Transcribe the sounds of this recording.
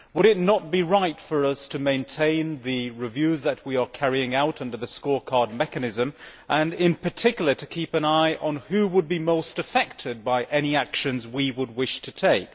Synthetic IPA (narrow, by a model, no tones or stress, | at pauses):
wəɾɨtⁿnət̚b̥iɹaɪtfə˞ʌstʰɨmẽɪ̃ntʰẽɪ̃nðɨɹɨvjʉzðɨt̚wiə˞kʰɛɹiɪ̃ŋaʊɾʌ̃ndə˞ðɨskɔɹkʰɑɹd̚mɛkɨnɪzɨ̃mʔə̃nɪ̃npʰə˞tʰɪkjl̩ˠə˞ɾɨkʰipɨ̃naɪʔə̃nʉwəd̚bimoʊstɨfɛk̚tʰɨd̚baɪʔɛñiækʃɨ̃nzwiwəd̚wɪʃtʰɨtʰeɪk